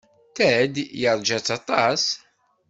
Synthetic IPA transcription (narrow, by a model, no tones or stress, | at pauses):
θæd̪jəɾˤd͡ʒæt͡sːɑt̪ˤɑs